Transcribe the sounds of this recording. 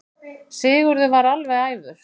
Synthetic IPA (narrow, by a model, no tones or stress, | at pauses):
sɪːɣʏɾðʏvaɾalvɛaːjvʏɾ̥